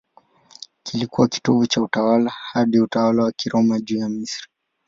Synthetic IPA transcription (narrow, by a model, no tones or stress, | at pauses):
kʰilikuwaki̥tɔvut͡ʃautawalahaɗiutawalawakiɾʔɔmaʄuːjamisɾi̥